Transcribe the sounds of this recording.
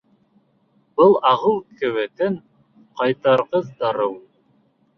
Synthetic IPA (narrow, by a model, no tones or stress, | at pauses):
b̥ɤlˠɑʁɤlˠkʰɘ̆wɘt̪ɘŋ | qɑjt̪ɑɾʁɤzd̪ɑɾɤw